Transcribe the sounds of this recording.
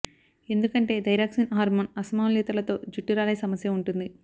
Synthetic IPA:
e̞nd̪ukɐɳʈe̞ːd̪ɐjɾaːksinɦaːɾmɐnɐsɐmaːmlit̪ɐɾlɐt̪o̞ːd͡ʒuʈːiɾaːlɐjsɐmɐsjɐuɳʈund̪i

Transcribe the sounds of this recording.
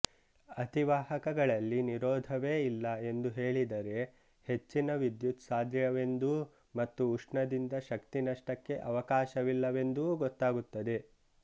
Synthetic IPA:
ɐt̪iʋaːɦɐkɐɡɐɭɐlːiniɾɔːd̪ʱɐʋe̞ːilːɐe̞nd̪uɦe̞ːɭid̪ɐɾe̞ | he̞t͡ʃːinɐʋid̪jut̪saːd̪jɐʋe̞nd̪u | mɐt̪ːuːʂɳɐd̪ind̪ɐʃɐkt̪inɐʂʈɐkːe̞ʔɐʋɐkaːʃɐʋilːɐʋe̞nd̪uːɡɔt̪ːaːɡut̪ːɐd̪e̞

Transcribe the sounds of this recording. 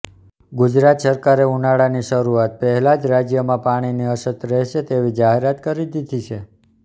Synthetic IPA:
ɡud͡ʒɾat̪səɾkaɾeunaɽaniʃəɾuat̪̚pɛɦɛlad͡ʒɾad͡ʒjəmãpaɽ̃iniəʃət̪ːɾɛɦʃet̪eʋid͡ʒaɦeɾat̪kəɾid̪id̪ʱit͡ʃʰe

